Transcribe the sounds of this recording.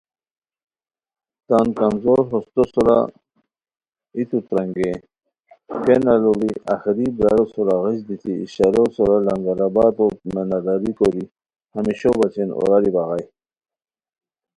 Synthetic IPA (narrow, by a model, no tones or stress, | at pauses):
t̪ankanzoɾɦost̪osoɾa̰ | it̪ut̪ɾaŋɡe | kenalobiʔaxiɾibɾaɾosuɾaɣiɕd̪it̪ʰḭːɕaɾosɔɾalaŋɡaɾabat̪ot̪menad̪aɾikoɾi | hamiɕobat͡ɕʰeno̰ɾaɾibaɣaj